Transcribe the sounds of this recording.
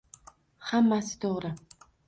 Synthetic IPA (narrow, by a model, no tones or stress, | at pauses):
hamːasɪ̥t̪ʰoʁɾɪ